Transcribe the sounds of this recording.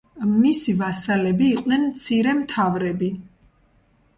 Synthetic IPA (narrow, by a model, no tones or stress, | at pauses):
misivasalɛbiːqʼnɛnmt̪sʰiɾɛmt̪ʰavɾɛbi